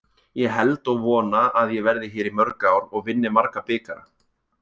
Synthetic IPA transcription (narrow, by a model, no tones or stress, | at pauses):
jɛɦɛlt̪ɔɣvɔːnaaðjɛɣvɛɾðɪçɛːɾimœɾkaːwɾɔɣvɪnːɪmaɾkapɪːkaɾa̰